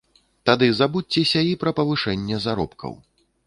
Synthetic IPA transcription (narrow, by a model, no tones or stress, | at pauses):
t̪ad̪ɨzabuːɛsʲɐipɾɐpɐvɨʂɛnʲːɛzaɾɔ̰pkʰɐ̰w